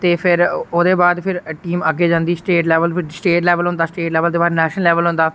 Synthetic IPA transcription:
t̪eːpʰɪɾoːd̪eːbaːd̪pʰɪɾʈiːməɡeːd͡ʒãːnd̪iːsʈeːʈlɛːʋəlpʰɪɾsʈeːʈlɛːʋəlɦʊ̃nd̪aːsʈeːʈlɛːʋəld̪eːbaːɾnɛːʃnəlɛːʋəlɦʊ̃nd̪aː

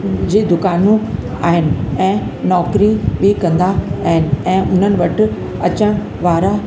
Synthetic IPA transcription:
d͡ʑiːd̪ʊkaːnũ | a̰ːɦɪnɪ̆ɛ̃ːnɔːkɾiɓikɐ̃nd̪aːɦɪnɪ̆ɛ̃ːʔʊn̤ənɪ̆ʋɐʈɪ̆ | ɐt͡ɕəɽ̃ | ʋaːɾa

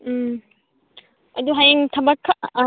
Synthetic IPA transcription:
ɐd̪uɦajaŋt̪ʰɐbakʰːaʔ

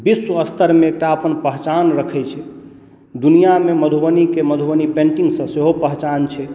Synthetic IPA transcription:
biswəst̪əɾmeːk̚ʈaəpənpəɦt͡ʃanɾəkʰɛt͡ʃʰɛ | d̪unijameməd̪ʱuwənikeməd̪ʱuwənipẽɳʈiŋɡsə̃seɦopəɦt͡ʃant͡ʃʰɛ

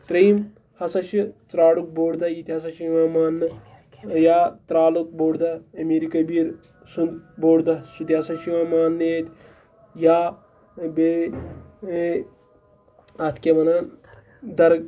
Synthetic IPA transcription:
t̪ɾiːm | hɐsɐʃit͡sɾaːɽuk̚boːɽd̪ɐjit̪ʲiɦɐsɐʃiʋaːmaːnːɨ | jaːt̪ɾaːluk̚boːɽd̪ɐɐmeːɾikɐbiːɾ | sund̪boːɽd̪ɐsud̪iɐsɐʃiʋãːmaːnːeːt̪ʲ | jaː | be | ɐt̪ʰkemɐnan | d̪ɐɾɡ

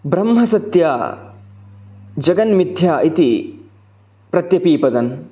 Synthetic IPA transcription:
bɾɐmɦɐsɐt̪jaː | d͡ʒɐɡɐnmid̪ʱjaːʔit̪i | pɾɐt̪jɐpiːpɐd̪ɐn

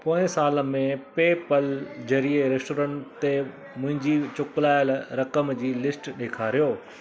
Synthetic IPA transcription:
poːɪ̃saːləmẽpeːpəld͡ʑɐɾieɾesʈoːɾə̃ɳʈt̪e | mʊ̃ɦɪ̃ɲd͡ʑiːt͡ɕʊklaːɪlɾɐkəmd͡ʑiːlɪsʈɗeːkʰaːɾijoː

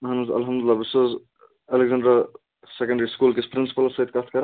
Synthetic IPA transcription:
ɦɐnuzɐ̰lɦɐmd̪ulːabɪsəz | eleɡzãːɳɖɾɐ | sekɐ̃ɳɖɐɾiskulkespɾinsi̥pɐlsɐjt̪̚kat̪ʰkɐɾ

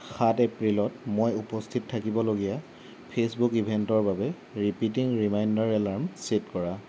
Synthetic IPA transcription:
xatɛpɹilɔtmojupɔstʰittʰːakibɔloɡija | pʰesbukibʱɛntɔɹbabɛ | ɹipitiŋɹimajndaɹɛlaɹmsetkɔɹa

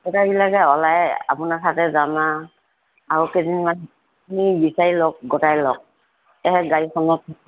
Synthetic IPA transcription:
ɛtabilakɛɔlaja̰punasatɛzamaː | ɹukezinman | unibisaɹilɔk̚ɡɔtajlɔk̚ | tɛɦɛɡaɹikɔnɔt̚

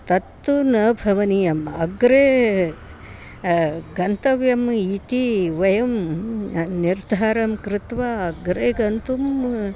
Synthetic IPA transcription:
t̪ɐt̪ːunɐːbʱɐʋɐnijɐmɐ̰ɡɾeː | ɡɐnt̪ɐʋjɐmit̪iʋɐjɐm | niɾd̪ʱaːɾɐmkɾɪt̪ʋaɐɡɾeːɡɐnt̪um

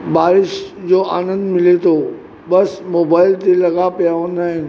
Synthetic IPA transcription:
baːɾɪʃd͡ʑoːʔa̰ːnə̃nd̪mɪlet̪ʰo | bɐsmoːbaːɪlt̪elɐɡapijaɦõːnd̪aːɦɪ̃n

